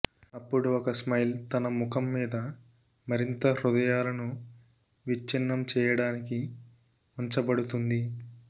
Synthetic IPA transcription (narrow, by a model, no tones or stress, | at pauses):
ɐpːuɽuɔkɐsmɐjlt̪ɐnɐmukʰɐmːiːd̪ɐ | mɐɾint̪ɐɾud̪ɐjaːlɐnu | ʋiːinːɐmt͡ʃɛːjɐɽaːniki | uɲt͡ʃɐbɐɽut̪und̪i